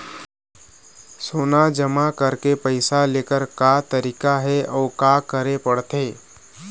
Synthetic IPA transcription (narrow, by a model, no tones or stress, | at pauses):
soːnad͡ʒəmakəɾkepəɪsaleːkəɾkat̪əɾikaɦɛʔɔːkakəɾepəɽt̪eː